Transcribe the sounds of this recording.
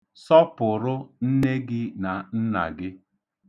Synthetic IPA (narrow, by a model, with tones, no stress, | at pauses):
sɔ˦pʊ˨ɾʊ˦n̩˦ne˦ɡɪ˦na˨n̩˦na̰˨ɡɪ˦